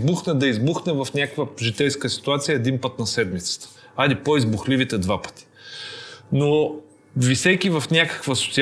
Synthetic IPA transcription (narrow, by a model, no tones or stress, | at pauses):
zbuxnɛd̪ɐizbuxnɛvɐfnʲakkvəʒit̪ɛjskəsi̥t̪uat̪sijəɛd̪inpət̪nɐsɛd̪mit̪sə̥t̪ə̥ | ad̪ipoizbuxlivit̪ɛd̪vapə̥t̪i̥ | no | visɛkʲivɐfnʲakə̥kvəso̥t̪si